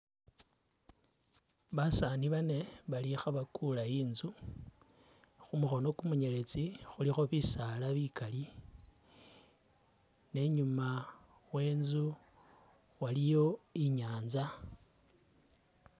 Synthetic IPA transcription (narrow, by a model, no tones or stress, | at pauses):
βasaniβane̞βalixaβakulaiːnzu | xumuxo̞no̞kumuɲe̞le̞t͡sixulixo̞βisalaβikali | ne̞ɲuma | we̞ːnzu | walijo̞iɲaːnza